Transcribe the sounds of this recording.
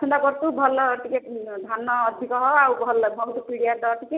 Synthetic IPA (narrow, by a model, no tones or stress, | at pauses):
kʰɔnd̪akɔɾt̪ubʱʌlːʈiked̪ʱanːɔːd̪ʱikɔɦɔawbʱɔlbʌɦut̪upiɽijad̪ɔːʈ̪ike